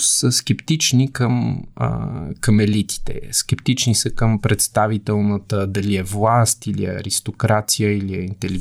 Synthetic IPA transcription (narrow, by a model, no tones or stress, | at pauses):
səsk̟ɛpt̪it͡ʃnikəm̰ | kəmɛlit̪i̥t̪ɛ̰skɛpt̪it͡ʃnisəkəmpɾɛt̪st̪avit̪ɛlˠnət̪əd̪ɐliɛvlˠast̪ilḭɐ̰ɾist̪okɾat̪sijəiliɛint̪ɛli